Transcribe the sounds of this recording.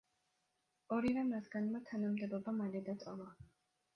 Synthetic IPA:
ɔɾivɛmɾat̪ʰɡanmat̪ʰanamd̪ɛbɔbamalɛd̪at̪ʼɔlˠa

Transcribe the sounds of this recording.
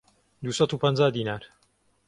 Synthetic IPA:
d̪uːsɐt̪uːpɐnd͡zaːd̪iːnaːɾ

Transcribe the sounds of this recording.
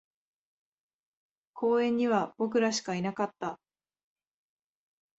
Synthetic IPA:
kʰo̞ːẽ̞ɲ̟ːiβab̥o̞kɯ̟ɾaɕi̥kainakat̪ːa

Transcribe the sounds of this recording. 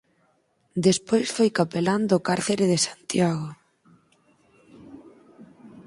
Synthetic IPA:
d̪espojsfojkapeland̪ːkaɾθeɾeðesant̪jaɣo

